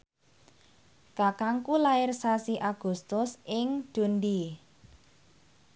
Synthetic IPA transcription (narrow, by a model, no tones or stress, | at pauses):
kakaŋkulaɪrsasiʔaɡ̥ṳst̪ʊsɪŋd̥ṳnd̪i